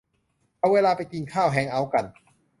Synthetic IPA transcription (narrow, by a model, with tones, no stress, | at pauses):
ʔa˧weː˧laː˧pa˧jki˧nkʰaː˥˩wɦɛː˨˧˥ŋʔa˧˥˩wka˧n